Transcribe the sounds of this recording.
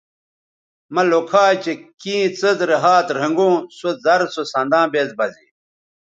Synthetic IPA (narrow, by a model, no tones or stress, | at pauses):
mɐlokʰaːt͡ɕekĩːt͡sɐzɾeɦaːt̪ɾɐŋɡõːsozɐɾsosɐnd̪ãːbeːzbɐzḭ